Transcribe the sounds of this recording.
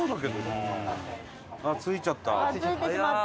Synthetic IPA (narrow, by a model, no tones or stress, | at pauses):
oːd̪aked̪o | at͡sɨit͡ɕat̪ːa̰sit̪ea